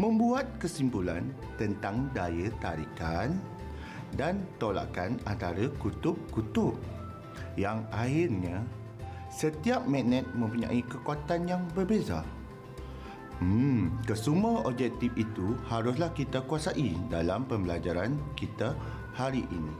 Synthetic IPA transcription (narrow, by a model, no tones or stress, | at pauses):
mə̃mbuat̪̚kəsimpula̰n | t̪ənt̪aŋdajət̪aɾikan | dant̪ola̰ʔkanant̪aɾakut̪ʊp̚kut̪ʊp̚ | jaŋahirɲa | sət̪iap̚mɛ̃nɛ̃t̪̚mə̃mpuɲã̰ʔikəkot̪anjaŋbərbeza̰ | kəsumuaɔb̚d͡ʒɛk̚t̪ifit̪uhaɾʊslahkit̪akuasaʔidalampəmbəlad͡ʒaɾankit̪a | haɾiʔinĩ